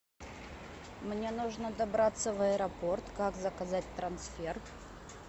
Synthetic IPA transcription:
mnʲe̞nuʐnəd̪ɐbɾat̪sːəvɐəɾɐpo̞rt̪kakzəkɐzat̚ʲt̪ɾɐnsfʲer

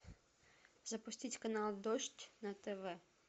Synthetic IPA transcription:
zɐpʊsʲtʲitʲkɐnɑlˠd̪ɔʃtʲnɐt̪ɛʋɛ

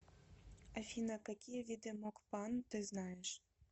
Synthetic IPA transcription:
afʲinəkakʲijevʲid̪emokpɑnt̪ɨznɑjeʃ

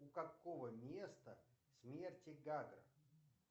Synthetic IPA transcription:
ukakovəmʲest̪əsʲmʲertʲɪɡaɡɾə̰

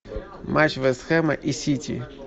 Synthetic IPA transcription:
mat͡ʃvɛsxɛmɐʔisʲitʲḭ

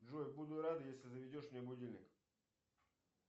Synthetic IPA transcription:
dʐojbud̪ʊt̪ɾad̪ɨjesʲlʲɪzəvʲɪdʲoʂmnʲɪɐbʊdʲilʲnʲɪk

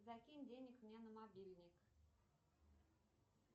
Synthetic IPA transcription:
zɐkʲinʲdʲenʲɪkmnʲenəmabʲilʲnʲɪk

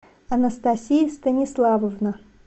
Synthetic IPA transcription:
ɐnəst̪asʲijəst̪ənʲɪslˠavəvnə

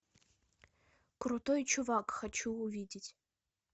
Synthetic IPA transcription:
krut̪ojt͡ʃuvakxɐt͡ɕuːvʲidʲɪtʲ

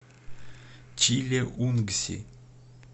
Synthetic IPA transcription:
t͡ʃilʲeʔunɡsʲḭ

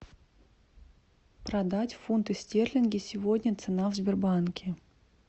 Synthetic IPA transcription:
pɾɐd̪atʲfunt̪ɨsʲtʲerlʲɪnɡʲɪsʲɪvodʲnʲət̪sɨnavzʲbʲɪrbankʲʰɪ

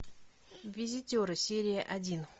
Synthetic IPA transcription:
vʲɪzʲɪtʲoɾɨsʲeɾʲɪjəʔɐdʲin

